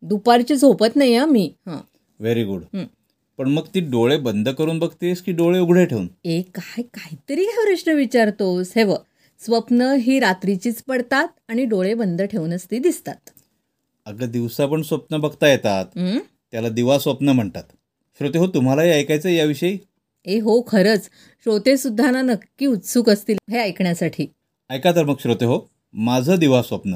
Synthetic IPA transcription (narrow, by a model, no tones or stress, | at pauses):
d̪upaɾt͡ɕiːd͡zʱopət̪najamiːhã̰ | ʋeɾiɡuɽ | pəɳməɡt̪iːɖoɭebənd̪ʱəkəɾuːnbəɡ̚t̪eskiːɖoɭeuɡʱɽeʈʰeunekajkaɦit̪əɾiːɦaɾəʂnəʋit͡ɕaɾt̪osɦeʋə | sʋəpnəɦiːɾat̪ɾit͡ɕiːt͡spəɽt̪at̪̚aɽ̃iɖoɭebənd̪ʱəʈʰeunəst̪iːd̪ist̪at̪ | əɡəd̪iʋsapəɳsʋəpnəbəɡt̪ajet̪at̪ɦː | jalad̪iʋasʋəpnəm̤əɳt̪at̪ | ɕɾot̪eɦot̪um̤alaɦiəjkajt͡səjaʋiɕəi | eɦokʰəɾət͡s | ɕɾot̪esud̪ʱːananəkːiːut̪suːkəst̪iːlɦeəjkɳjasaʈʰiː | əjkat̪əɾməɡɕɾot̪eɦo | mad͡zʱəːd̪iʋasʋəpnə